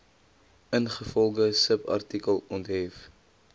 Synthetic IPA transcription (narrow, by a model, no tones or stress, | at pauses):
ənχəfɔlˠɡəsəpɐ̰rtikəlˠɔntɦɛf